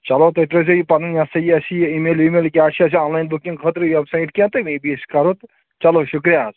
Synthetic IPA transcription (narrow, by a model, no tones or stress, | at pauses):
t͡ʃɐlot̪ɐt̪ɾosojipɐninjasɐjɐsiimeːlimeːlkʲiaːʈt͡ʃʰiɐsiɔ̃ːnlajnbukĩŋɡkʰɐt̪ɾʋɛbsajʈkʲẽt̪ɐmebiskɐɾot̪ | t͡ʃɐloʃukɾijaːz